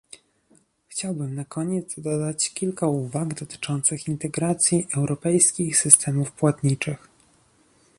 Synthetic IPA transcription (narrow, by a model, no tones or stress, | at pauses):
xt͡ɕawbɘmnakʰɔɲɛd̪zd̪ɔd̪at͡ɕkʲilkauvaɡd̪ɔt̪ɘ̥t͡ʂɔnt̪sɘxint̪ɛɡɾat̪sʲjiʔɛwɾʔɔpɛjskʲixsɘst̪ʰɛmufpwat̪ɲit͡ʂɘx